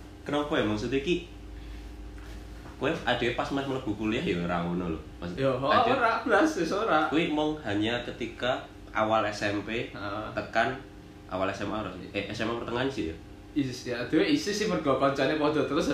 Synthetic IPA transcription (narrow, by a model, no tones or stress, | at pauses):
kənɔŋpɔjamɔŋsut̪uiki | kuwead̪̥e̤wepasmamələb̥ṳkuliahjoɾaŋunɔlɔ̰ | masjoɦad̪ɾab̥lasesoɾakuwimɔŋhaɲakət̪ika | ʔa̰walɛsɛmpet̪əkan | ʔa̰walɛsɛmpaɾɔsʔeʔɛsɛmpepərt̪əŋanisijo | isad̪̥e̤weisɪsɪhpərɡ̥akɔɲt͡ʃanepɔd̪̥ɔ̤t̪əɾʊs